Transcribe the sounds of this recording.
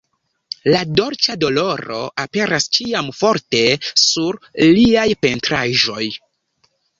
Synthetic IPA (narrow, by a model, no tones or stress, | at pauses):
lado̞ɾt͡ʃado̞lo̞ɾo̞̰ʔape̞ɾast͡ʃiamfo̞ɾte̞suɾliajpe̞ntɾaʒo̞j